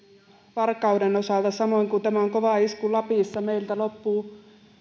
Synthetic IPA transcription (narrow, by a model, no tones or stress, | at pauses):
ʋɑrkːˑɑudenosɑˑlt̪ɑsɑmoiŋkut̪æmæoŋkoʋɑˑiskulɑpiˑsːɑmeilt̪ælopːuː